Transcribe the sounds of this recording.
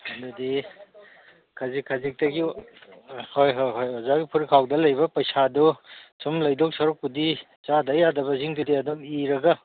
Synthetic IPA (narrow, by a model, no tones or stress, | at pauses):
ɐdudi | kʰɐzikʰɐzik̚tɐɡi | hojɦojɦojɔzaɡipʰuɾikʰawdɐlɐjbɐpɐjsadɔsumlɐjdɔksɐɾuk̚pudi | t͡ʃadɐjadɐbɐziŋdudiɐdumiɾɐɡɐ